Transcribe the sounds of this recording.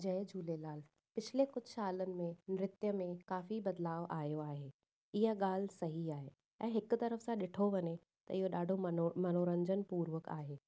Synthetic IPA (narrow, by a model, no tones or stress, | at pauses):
d͡ʑɐ̃ːɪd͡ʑʱuːlelaːl | pɪt͡ɕʰɪlekʊd͡ʑʱsaːlənɪ̆mẽnɪɾɪt̪jəmẽkaːfibɐd̪laːʋʔaːjoaːɦeː | ɪɦəɠaːl̤sɐɦiaːɦeː | ɛ̃ːɦɪkʊ̆t̪ɐɾəfsãɗɪʈʰoʋɐɲe | t̪ɐ̰ɪɦoɗaːɖʱomɐnoːɾə̃ɲd͡ʑənpuːɾʋəka̰ːɦeː